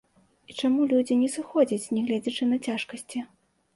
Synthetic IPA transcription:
it͡ʂamulʲud͡zʲinʲɛsɨxɔd͡zʲɐt͡sʲnʲɛɣlʲɛd͡zʲɐt͡ʂɨnɐt͡sʲaʂkɐsʲt͡sʲi

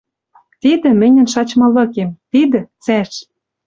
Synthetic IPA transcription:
t̪id̪ɘ̆mɘ̆nʲɘ̆nʃɑt͡ɕmɤ̆lɤ̆kemt̪id̪ɘ̆t͡sæʃ

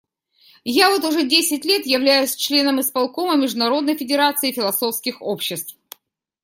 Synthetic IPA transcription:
javo̞t̪ʊʐɛdʲesʲɪtʲlʲe̞t̪jɪvlʲæjʊsʲt͡ɕlʲe̞nəmɨspɐlˠko̞məmʲɪʐd̪ʊnɐɾo̞d̪nəjfʲɪdʲɪɾat̪sɨɪfʲɪlˠɐso̞fskʲɪxopɕːɪst̪f

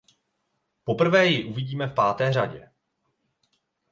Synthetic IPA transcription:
po̞pr̩vɛːjɪʔuvɪɟiːmɛfpaːt̪ɛːr̝aɟɛ̰

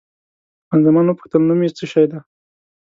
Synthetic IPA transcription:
anzamɑnwəpə̥xt̪əlnumit͡səʃɑjd̪a

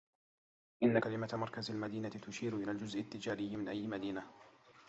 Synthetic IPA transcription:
ʔɪnːakalɪmat̪mɑɾˤkazalmad̪iːnat̪ɪt̪ʊʃiːɾʊʔɪlaːld͡ʒʊzʔɪt̪ːɪd͡ʒaːɾɪjːmɪnʔajːɪmad̪iːna

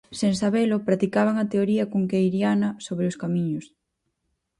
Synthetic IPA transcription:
seŋsaβelopɾat̪ikaβ̞aŋat̪eoɾiɐkoŋkejɾjanɐsoβɾeʊskamĩɲʊs

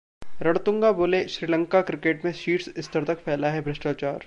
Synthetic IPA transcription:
ɾɐɽt̪ʊ̃ŋɡaboːleʃɾiːlə̃ŋkakɾɪkeːʈmẽʃiːʈsɪst̪əɾt̪ɐkfʰɛːlaɦɛbɾɪʃʈaːt͡ʃaːɾ

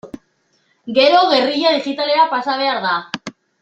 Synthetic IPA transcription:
ɡe̞ɾo̞ɣe̞riʎaðixit̪ale̞ɾapasaβ̞e̞aɾða

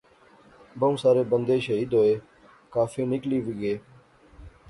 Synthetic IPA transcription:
bəũsaːɾeːbənd̪eːʃəɦiːd̪ɦoːeː | kaːfiːnɪkliːʋɪɡeː

